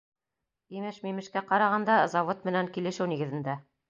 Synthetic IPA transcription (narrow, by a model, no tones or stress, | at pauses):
imɘʃmimɘ̆ʃkæqɑɾɑʁɑnd̪ɑzɑvot̪̚mɘ̆næŋkilɘ̆ʃɘwniɡɘ̆ðɘ̆nd̪æ